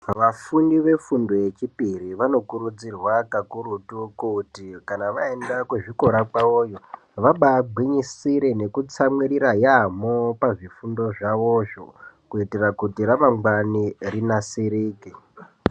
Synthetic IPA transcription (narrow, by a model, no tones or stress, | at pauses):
ʋafundiʋe̞fundo̞je̞t͡ʃipiɾiʋano̞kuɾud͡zirwakakuɾutukutikanaʋaendakweʐiko̞ɾakaoːjo | ʋaɓaːɡ͡bʱwiɲisiɾene̞kut͡samwiɾiɾajamopaʐifundo̞ʐaʋoʃo̰kuitirakutiɾamaŋɡwanirinasiɾiːki